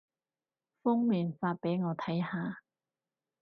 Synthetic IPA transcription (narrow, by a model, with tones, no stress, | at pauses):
fʊ˥ŋmiː˨˩nfaː˧t̚pe˨˥jŋɔː˨˧t̪ʰɐ˨˥jhaː˨˧